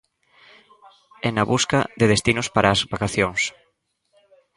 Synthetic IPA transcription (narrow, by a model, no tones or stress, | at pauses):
ɛnɐβuskɐðeðest̪inʊspaɾʔaːzbakaθjoŋs